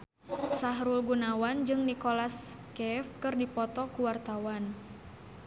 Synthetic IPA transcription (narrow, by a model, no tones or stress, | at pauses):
saɦɾulɡunawand͡ʒɨŋnikolaskɛfkɨrdipɔt̪ɔkuwart̪awan